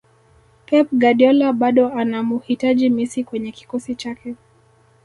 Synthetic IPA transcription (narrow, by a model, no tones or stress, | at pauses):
pɛp̚ɡaɗiɔlaɓaɗɔanamuhitaʄimisikwɛɲɛki̥kɔsit͡ʃakɛ